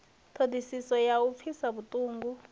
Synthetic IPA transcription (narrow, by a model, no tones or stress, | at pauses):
tʰodʱisisɔjaup̪fʰisaɓutʼuːŋɡu